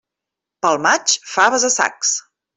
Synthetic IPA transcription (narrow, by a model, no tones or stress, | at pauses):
pəlˠmat͡ʃfaβəzəsa̰ks